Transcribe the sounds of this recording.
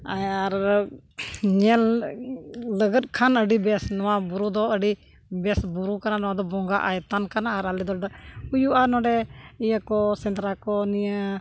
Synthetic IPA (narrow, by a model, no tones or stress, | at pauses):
aaɾ | ɲəl | ləɡət̚kʰanəɖibɛsnɔwabuɾud̪ɔəɖi | bɛsbuɾukəɾanɔad̪ɔbɔŋɡa̰ʔajt̪ankanaːɾalid̪ɔd̪aujuanɔ̃ɖɛiakɔsɛnt̪ɾakɔniə